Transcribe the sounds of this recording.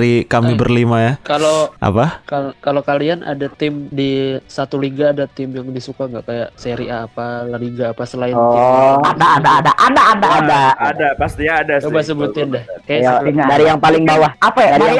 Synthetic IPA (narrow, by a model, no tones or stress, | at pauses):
ɾikamibərlimajakaloʔa̰pakakalokalianʔa̰dat̪ɪmdisat̪uliɡaːdat̪ɪmjaŋdisukaŋɡaʔkajaʔseɾiʔaːpalaliɡaːpasəlaɪadaadaadaʔadaʔːdaadaadapast̪iɲaːdasubasəbut̪ɪndahkajaʔaadaɾijaŋpalɪŋbawahapaaɾia